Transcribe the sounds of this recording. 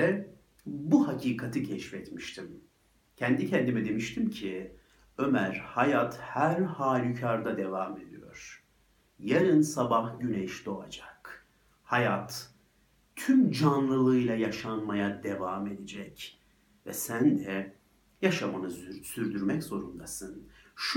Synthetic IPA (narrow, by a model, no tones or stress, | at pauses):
ɛ | buhacʰiːkʰat̪ʰɯcʰɛʃfɛt̪miʃt̪ʰim | cʰɛnd̪icʰɛnd̪imɛd̪e̞miʃt̪ʰimcʰi | ø̞mæɾhajat̪hæɾhaːlʲycʰaɾd̪ad̪evaːme̞d̪ijo̞̰ɾ̥ | jeɾinsabahɟynɛʃd̪o̞a̰d͡ʒḁk | hajat̪ʰ | ymd͡ʒanlˠɯlˠɯjlʲˠajaʃanmajad̪evaːme̞d̪ed͡ʒɛc | vɛ̰sænd̪ɛ | jaʃamanɯzsyɾd̪yɾmɛczo̞ɾund̪asɯnʃ